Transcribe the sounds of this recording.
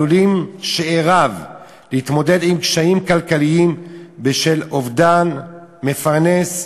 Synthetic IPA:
ulimʃeeʁav | leit̪mo̞de̞d̪imkʃaimkalkaliimbeʃe̞lovd̪anme̞faʁne̞s

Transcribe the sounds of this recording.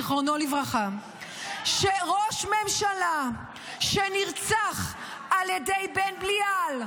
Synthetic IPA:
χʁonolivʁaχa | ʃeʁoʃmemʃala | ʃeniʁt͡saχ | aljedejbenblial

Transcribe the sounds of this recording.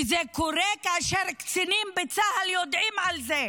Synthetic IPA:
zekoʁekaaʃeʁkt͡sinimbet͡sahaljod̪ʕimʕalze

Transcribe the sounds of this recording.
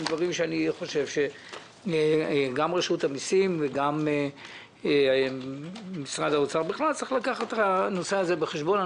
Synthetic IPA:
d̪vaʁimʃeaniχo̞ʃe̞vʃe̞ | ɡamʁeʃutamisimveɡam | misʁad̪haot͡saʁbiχlalt͡siχlakaχat̪hano̞seaze̞beχeʃbo̞na

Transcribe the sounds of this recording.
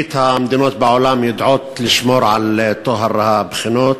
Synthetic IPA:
ɪt̪hamd̪inoːt̪̚bʕʊlaːmjɪd̪ʕuːt̪lɪʃmuːɾʕalt̪ˤːoɦɑɾˤhabxɪnoːt̪

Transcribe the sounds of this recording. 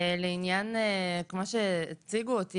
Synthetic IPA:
leinjankmoʃeːt͡siɡuot̪i

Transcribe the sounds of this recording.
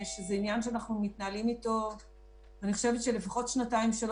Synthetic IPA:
ʃezeinjanʃeanaχnumitnaːlimito̞v | vaniχo̞ʃevetʃele̞faχo̞tʃnataimʃel

